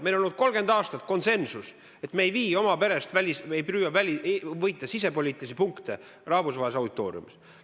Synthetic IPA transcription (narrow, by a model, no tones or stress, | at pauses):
melolnud̪̥̚ko̞lɡ̥e̞nd̪ɑːst̪ɑt̪̚ːˑko̞nse̞nsus | e̞t̪meejviːo̞mɑpe̞ɾe̞st̪vælʲisejpyːjɑvælʲivɤjt̪ːˑɑsise̞polʲiːt̪ːˑilis̬ipuŋkt̪e | rɑhvusvɑɦesɑwd̪it̪ːˑo̞ːɾj̰ṵmis